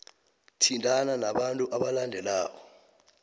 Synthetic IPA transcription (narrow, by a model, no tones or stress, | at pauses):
tʰintʼananaɓantʼuʔaɓalandʱɛlaːkɔ